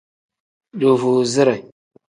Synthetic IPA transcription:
du˨vu˨zi˦ɾa˨

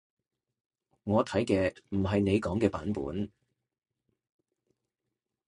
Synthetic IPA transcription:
ŋɔː˨˧t̪ʰɐ˨˥jkɛː˧m̩˨˩ɦɐ˨jne˨˧jkɔː˨˥ŋkɛː˧paː˨˥npṵː˨˥n

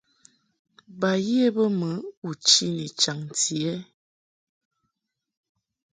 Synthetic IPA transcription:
ba˨ji˦e˦bə˦mə˨˦u˨t͡ʃi˦ni˨t͡ʃa˨ŋti˨ɛ˦

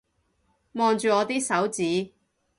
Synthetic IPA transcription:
mɔː˨˧ŋt͡ʃyː˨ɔː˨˧t̪iː˥sɐ˨˥wt͡siː˨˥

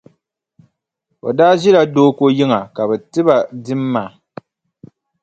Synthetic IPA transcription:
o̰˨daː˦ʒi˦la˨doː˦ko˦ji˦ŋa˨ka˨bɛ˨tɨ˦ba˨dɨ˦mː˦a˨

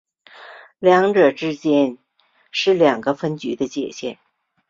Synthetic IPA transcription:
ljɑ˧˥ŋʈ͡ʂɤ˨˩ʈ͡ʂɻ̩˥t͡ɕjɛ˥n | ʂɻ̩˥˩ljɑ˨˩ŋɡə˦fə˥nt͡ɕy˧˥d̪ə˧t͡ɕjɛ̰˨˩ɕjɛ˥˩n

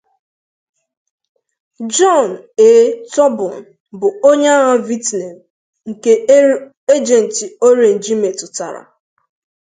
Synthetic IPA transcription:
d͡ʒɔ˦˨n˨eː˦tɔ˦bʊ˨n˨ | bʊ˨o˦ɲe˦a˦ɣa˦vi˦tne˨m | ŋ̩˨ke˦ | e˦d͡ʒe˨n̩˨ti˨o˦ɾe˨n̩˨d͡ʒi˦me˨tʊ˨ta̰˨ɾa̰˨

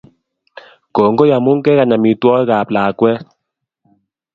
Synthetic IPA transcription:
ko˨ŋ˦ɡo˦ja˨mu˦ŋ̩˦kɛ˦ka˨ɲa˨mi˨twɔ˦ka˨plaː˨kwɛ˦

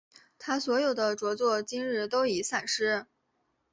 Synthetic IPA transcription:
t̪ʰa˥swɔ˧˥jo˨˩ʊd̪ə˦ʈ͡ʂwɔ˧˥t͡swɔ˥˩t͡ɕi˥ŋɻɻ̩˥˩t̪o˥ʊi˨˩˦sa˥˩nʂɻ̩˥

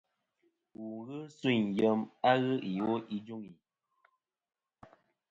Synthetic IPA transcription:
wu˨˦ɣɨ˦swi˦˨ɲ˨jə˨˦ma˦ɣɨ˦i˨o˦i˦d͡ʒu˦ŋi˨

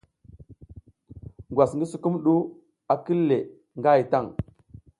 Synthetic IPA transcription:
ŋɡwa˨sŋɡə˦su˨ku˦mɗu˦ | a˨ki˦lːe˨ | ŋɡa˦˨jta˦˨ŋ

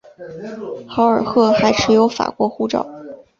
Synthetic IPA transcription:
xɑ˧˥ʊə˞˨˩xɤ˥˩xa˧˥ɪʈ͡ʂʰɻ̩˧˥jo˧˥ʊfa̰˨˩kwɔ˧˥xu˥˧ʈ͡ʂɑ̰˥˩˦ʊ

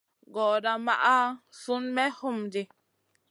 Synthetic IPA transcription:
ɡɔː˨da˨ma̰˦ʔa˦su˦nmɛ˦ho˦mdi˨

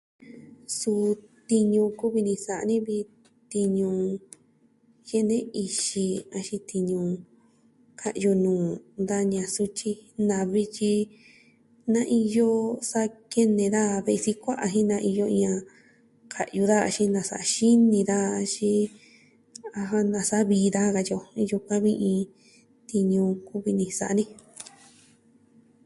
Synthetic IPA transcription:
su˧t̪i˧ɲũ˧ku˦βi˧nĩ˧sa˨ʔnĩ˦βi˧ | t̪i˧ɲũ˧ | je˦˧nẽ˦i˧ʃi˧a˧ʃi˧t̪i˧ɲũ˧ | kʰa˧ʔju˧nũː˨nd̪a˦ɲã˧su˧t͡ʃi˧nã˨βi˧t͡ʃi˧ | nã˦ʔi˧jo˦sa˦ke˦nẽ˨ða˦˧βe˧si˧kʷa˦ʔa˧ɦĩ˦nã˧ʔi˧jo˧ĩ˧ã˧ | kʰa˨ʔju˧ða˦a̰˧ʃi˦nã˨sa˨a˧ʃi˦nĩ˧ða˦˧t͡ʃi˦ | a˧ɦã˦nã˨sa˦βiː˧˦˧ða˦˧ɣa˧jo˧ju˧kʷã˦βĩ˦ʔĩ˧ | t̪i˧ɲũ˧ku˦βi˧nĩ˧sa˨ʔnĩ˦

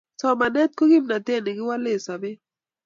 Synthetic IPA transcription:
sɔ˦ma˨nɛ˦t̪̚ko˦ɡi˦mna˨t̪e˦˨nɪ˨ɡɪ˦wa˦lɪ˦˨sa˨bɪ˦

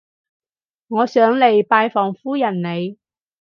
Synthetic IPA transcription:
ŋɔː˨˧sœː˨˥ŋle˨jpaː˧jfɔː˨˩ŋfuː˥jɐ˨˩nne˨˧j

